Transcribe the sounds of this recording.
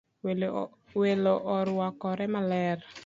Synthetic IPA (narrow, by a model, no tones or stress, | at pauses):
weloʔɔɾwakɔɾɛmalɛr